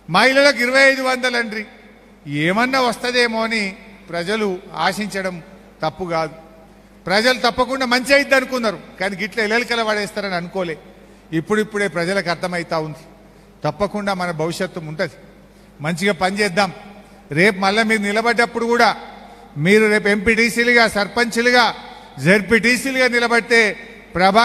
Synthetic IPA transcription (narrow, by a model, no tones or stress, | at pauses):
maːilɐloːk̬iɾɐʋɐjɐjd̪uʋɐnd̪ɐlɐɳɖɾi | eːmɐnːaːʋɐst̪ɐd̪eːmoːnipɾɐd͡ʒɐlua̰ːʂiɲt͡ʃɐɽɐm | t̪ɐpːuɡaːd̪u | pɾɐd͡ʒɐlut̪ɐpːɐkuɳɖaːmɐɲt͡ʃiɐjid̪ːɐnukunːaɾukaːniːɡiʈlɐɛlɐlikɐlɐʋɐɽɛːst̪aːɾɐniɐnukoːleː | ipːuɽipːuɽe̞ːpɾɐd͡ʒɐlɐkɐɾt̪ʰɐmɐjit̪aːund̪i | t̪ɐpːɐkuɳɖaːmɐnɐbʱɐʋiʂjɐt̪ːɐmuɳʈund̪i | mɐɲt͡ʃiɡaːpɐɲd͡ʒɛːd̪ːaːm | ɾe̞ːpumɐlːɐmiːɾunilɐbɐɖːɐpːuɽukuːɽaː | miːɾuɾe̞ːpue̞mpiːʈiːsiːluɡaːsɐɾpɐɲt͡ʃuluɡaː | d͡ʒeɾpiʈiːsiːluɡaːnilɐbɐɽit̪e̞ː | pɾɐbʱaː